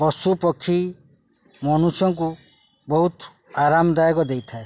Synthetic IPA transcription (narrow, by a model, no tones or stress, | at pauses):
bɔsupɔkʰːi | mɔnusjɔŋku | bɔɦut̪ | aɾamɔd̪ajɔkɔd̪ejt̪ʰae